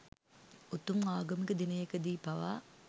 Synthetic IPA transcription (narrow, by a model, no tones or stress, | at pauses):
ut̪umaːɡɐmikəd̪inɐjekɐd̪iːpɐʋa̰ː